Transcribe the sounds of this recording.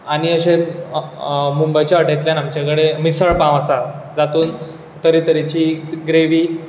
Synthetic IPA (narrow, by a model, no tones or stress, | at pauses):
aɽ̃iəɕen | mumbəjt͡ɕaəʈet̪ljanamt͡ɕakɽemisəɭpãʋəsad͡zat̪uːn | t̪əɾit̪əɾit͡ɕiːɡɾeʋiː